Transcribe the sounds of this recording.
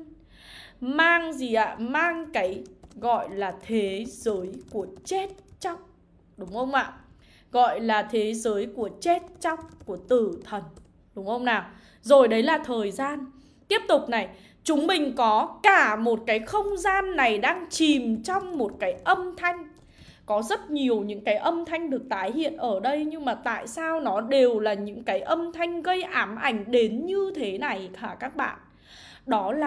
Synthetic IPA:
maː˧ŋzi˨˩ʔa̰ː˧˨maː˧ŋkaː˨˦jɣɔ̰˧˨jlaː˨˩t̪ʰe˨˦zəː˨˦jku˧˩ət͡ɕe˦˥t̚t͡ɕa˦˥wk͡p̚ | ɗʊ˨˦ŋ͡mxə˧wŋ͡mʔa̰ː˧˨ | ɣɔ̰˧˨jlaː˨˩t̪ʰe˨˦zəː˨˦jku˧˩ət͡ɕe˦˥t̚t͡ɕa˦˥wk͡p̚ku˧˩ət̪ɨ˧˩t̪ʰə˨˩n | ɗʊ˨˦ŋ͡mhə˧wŋ͡mnaː˨˩w | zo˨˩jɗə˨˦jlaː˨˩t̪ʰəː˨˩jzaː˧n | t̪i˦˥əp̚t̪ʊ˨˩k͡p̚na˨˩j | t͡ɕʊ˨˦ŋ͡mmï˨˩ŋ̟kɔ˨˦kaː˧˩mo˨˩t̚kaː˨˦jxə˧wŋ͡mzaː˧nːa˨˩jɗaː˧ŋt͡ɕi˨˩mt͡ɕɔ˧wŋ͡mmo˨˩t̚kaː˨˦jʔə˧mt̪ʰa˧jŋ̟ | kɔ˨˦zə˦˥t̚ɲi˨˩əwɲɨ̰˧˥ŋkaː˨˦jʔə˧mt̪ʰa˧jŋ̟ɗɨ˨˩ək̚t̪aː˨˦jhḭ˧˨ənʔəː˧˩ɗə˧jɲɨ˧ŋmaː˨˩t̪a̰ː˧˨jsaː˧wnɔ˨˦ɗe˨˩wlaː˨˩ɲɨ̰˧˥ŋkaː˨˦jʔə˧mt̪ʰa˧jŋ̟ɣə˧jʔaː˨˦mʔa˧˩jŋ̟ɗe˨˦nɲɨ˧t̪ʰe˨˦na˨˩jkʰaː˧˩kaː˦˥k̚ɓa̰ː˧˨n | ɗɔ˨˦laː˨˩

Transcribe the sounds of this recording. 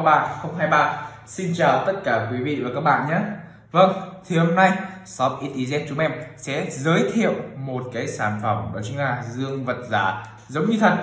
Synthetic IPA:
ɓa̰ː˧˨nxə˧wŋ͡mɦaː˧jɓaː˧˨n | si˧nt͡ɕaː˨˩wt̪ə˦˥t̚kaː˧˩kwi˨˦vḭ˧˨vaː˨˩kaː˦˥k̚ɓa̰ː˧˨nɲaː˨˥ | və˧ŋt̪ʰi˨˩ho˧mna˧jsɔ˨˦pʔi˧t̪i˧zɛ˧˥t̚t͡ɕʊ˨˦ŋ͡mʔɛ˧msɛ̰˧˥zəː˨˦jt̪ʰḭ˧˨əwmo˨˩t̚kaː˨˦jsaː˧˩nfə˧˩wŋ͡mʔə̰ː˧˩t͡ɕʊ˨˦ŋʔaː˧˩zɨ˧əŋvə˨˩t̚zaː˧˩ | zə˨˦wŋ͡mɲɨ˧t̪ʰə˨˩t̚

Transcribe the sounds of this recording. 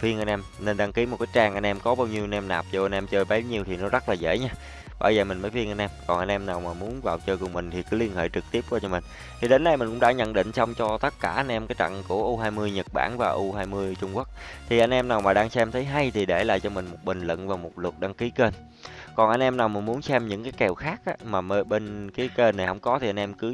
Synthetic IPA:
fi˧ənʔa˧jnʔɛ˧mne˧nɗa˧ŋki˨˦mo˨˩kaː˨˦jt͡ɕaː˧ŋʔa˧jnʔɛ˧mkɔ˨˦ɓaː˧wɲi˧əwnʔɛ˧mnaː˨˩p̚zɔ˧ʔa˧nʔɛ˧mt͡ɕəː˧jɓa˨˦ɲi˧əwt̪ʰi˨˩nɔ˨˦zə˦˥t̚laː˨˩zḛ˧˥ɲaː˧ | ɓa̰ː˧˩zəː˨˩mï˨˩ŋ̟məː˨˦jfi˧ənʔa˧nʔɛ˧mkɔ˨˩nʔa˧jnʔɛ˧mnaː˨˩wmaː˨˩mu˨˦ənvaː˨˩wt͡ɕəː˧jkʊ˨˩ŋ͡mmï˨˩ŋ̟t̪ʰi˨˩kɨ˨˦li˧ənhḛː˧˨jt͡ɕɨ˨˩k̚t̪i˦˥əp̚kwaː˧t͡ɕɔ˧mï˨˩ŋ̟ | t̪ʰi˨˩ɗe˨˦nɗə˧jmï˨˩ŋ̟kʊ̰˧˥ŋ͡mɗaː˧˥ɲə̰˧˨nɗḭ˧˨ŋ̟sa˧wŋ͡mt͡ɕɔ˧t̪ə˦˥t̚kaː˧˩ʔa˧jn̟ʔɛ˧mkaː˨˦jt͡ɕa̰˧˨ŋku˧˩əʔu˧ɦaː˧jmɨ˧əjɲə˨˩t̚ɓa̰ː˧˩nvaː˨˩ʔu˧ɦaː˧jmɨ˧əjt͡ɕʊ˧ŋ͡mku˦˥ək̚t̪ʰi˨˩ʔa˧jŋ̟ʔɛ˧mnaː˨˩wmaː˨˩ɗaː˧ŋsɛ˧mt̪ʰə˨˦jɦa˧jt̪ʰi˨˩ɗe˧˩la̰ː˧˨jt͡ɕɔ˧mï˨˩ŋ̟mo˨˩t̚ɓï˨˩ŋ̟lə̰˧˨nvaː˨˩wmo˨˩t̚lə˨˩t̚ɗa˧ŋki˨˦ke˧n | kɔ˨˩nʔa˧jn̟ʔɛ˧mnaː˨˩wmï˨˩nmu˨˦ənsɛ˧mɲɨ̰˧˥ŋkaː˨˦jkɛ˨˩wxaː˦˥k̚ʔaː˧˦maː˨˩məː˨˦jɓe˧nki˨˦ke˧nːa˨˩jhə˧˥wŋ͡mkɔ˨˦t̪i˨ʔa˧jnʔɛ˧mkɨ˨˦

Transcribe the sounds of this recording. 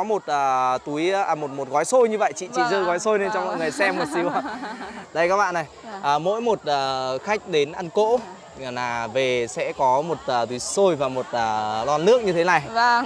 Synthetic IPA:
ɔ˨˦mo˨˩t̚ʔəː˨˩t̪u˨˦jmo˨˩t̚mo˨˩t̚ɣɔ˨˦jso˧jɲɨ˧və̰˧˨jt͡ɕḭ˧˨t͡ɕḭ˧˨zəː˧ɣɔ˨˦jso˧jne˧nt͡ɕɔ˧wŋ͡mmɔ̰˧˨jŋɨ˨˩əjsɛ˧məː˨˩si˨˦wə˧˩ɗə˧jkaː˦˥ɓa̰ː˧˨nːa˨˩jʔəː˨˩mo̰˧˥jmo˨˩t̚ʔəː˨˩xa˦˥jk̟̚ɗe˨˦nʔa˧nko̰˧˥˨ | naː˨˩ve˨˩sɛ̰˧˥kɔ˨˦mo˨˩t̚ʔəː˨˩t̪u˨˦jso˧jvaː˨˩mo˨˩t̚ʔəː˨˩laː˧nːɨ˦˥ək̚ɲɨ˧t̪ʰe˨˦na˨˩j

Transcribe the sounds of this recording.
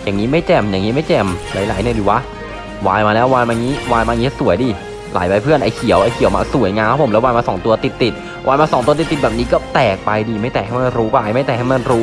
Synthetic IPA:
jaː˨˩ŋːiː˦˥ma˥˩jt͡ɕɛ˧˩mjaː˨˩ŋiː˦˥ma˥˩jt͡ɕɛ˧˩mla̰ː˨˩˦jlaː˨˩˦jnɯ˧˩diː˨˩waː˦˧˥ | wa̰ː˧jmaː˧lɛː˦˥waː˧nmaː˧ŋiː˦˥waː˧jmaː˧ŋiː˦˥su˨˩˦əjdiː˧˩ | la̰ː˨˩˦jpaː˧pʰɯ˥˩ənʔa˧jkʰi˨˩˦əwʔa˧jkʰi˨˩˦wma̰ː˧su˨˩˦jŋaː˧kʰa˦˥pʰo˩˦lɛ˦˥waː˧jmaː˧sɔː˩˦ŋt̪u˧ɐt̪i˨˩t̪ːi˨˩t̪̚ | wʔaː˧jmaː˧sɔː˨˦ŋt̪u˧t̪i˨˩t̪ːi˨˩t̪̚ɛː˨˩niː˦˥kɔː˥˩t̪ɛː˨˩k̚pa˧jdiː˧˩ma˥˩jt̪ɛː˨˩ha˥˩ma˧nɾuː˦˥pa˧jma˥˩jt̪ɛː˨˩ha˥˩jma˧nɾuː˦˥

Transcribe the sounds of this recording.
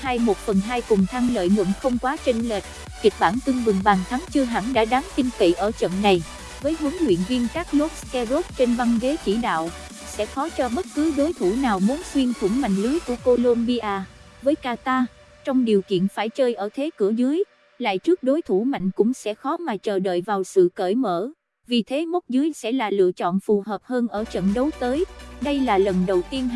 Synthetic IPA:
haː˧jmo˨˩t̚fə˨˩nɦaː˧jkʊ˨˩ŋ͡mt̪ʰa˧ŋlə̰ː˧˨jŋɨ̰˧˩mxə˧wŋ͡mkwaː˨˦t͡ɕe˧nleː˨˩t̚ | ki˨˩k̚ɓaː˧˩nt̪ɨ˧ŋmɨ˨˩ŋɓaː˨˩nt̪ʰa˨˦ŋt͡ɕɨ˧əɦa̰ː˧˩ŋɗa̰ː˧˥ɗaː˨˦ŋt̪ï˧ŋt̪ḭ˧˨ʔəː˧˩t͡ɕə̰˧˨nːa˨˩j | vəː˨˦jɦɨ˨˦əŋːwḭ˧˨ənvi˧ənkaː˦˥k̚lo˦˥t̚skɛ˧zo˦˥t̚t͡ɕe˧nva˧ŋve˨˦t͡ɕi˧˩ɗa̰ː˧˨w | sɛ̰˧˥xɔ˨˦t͡ɕɔ˧ɓə˦˥t̚kɨ˨˦ɗo˨˦jt̪ʰu˧˩naː˨˩wmu˨˦nswi˧ənt̪ʰu˧˩ŋma̰˧˨jŋ̟lɨ˨˦jku˧˩əko˧lo˧nɓi˧ʔaː˧vəː˨˦jkaː˧t̪aː˧ | t͡ɕɔ˧wŋ͡mɗi˨˩əwkḭ˧˨ənfaː˧˩jt͡ɕəː˧jʔəː˧˩t̪ʰe˨˦kɨ˧˩əzɨ˨˦əj | la̰ː˧˨jt͡ɕɨ˦˥ək̚ɗo˨˦jt̪ʰu˧˩ma̰˧˨jŋ̟kʊ̰˧˥ŋ͡msɛ̰˧˥xɔ˨˦maː˨˩t͡ɕəː˨˩ɗə̰ː˧˨jvaː˨˩wsɨ̰˧˨kəː˧˩jmə̰ː˧˩ | vi˨˩t̪ʰe˨˦mə˦˥t̚zɨ˨˦əjsɛ̰˧˥laː˨˩lɨ̰˧˨ət͡ɕɔ̰˧˨nfu˨˩ɦəː˨˩p̚həː˧nʔəː˧˩t͡ɕə̰˧˨nɗə˨˦wt̪əː˨˦jɗə˧jlaː˨˩lə˨˩nɗə˨˩wt̪i˧ən

